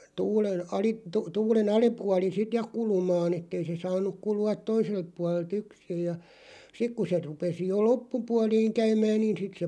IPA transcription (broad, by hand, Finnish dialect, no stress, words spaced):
tuːlen ɑlip̆ tu tuːlen ɑlipuɑli sit jɑ kulumɑːn etːei se sɑːnuk kuluɑt toiselt puɑlelt yksij jɑ sik ku se rupesi jo lopːupuɑliːŋ kæymæːn niːn sit se